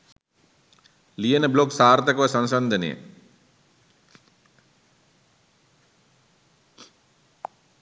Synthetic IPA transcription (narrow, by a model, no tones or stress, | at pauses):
lijenəbloksaːɾt̪ɐkɐʋɐsɐnsɐnd̪ʱɐnḛjə̰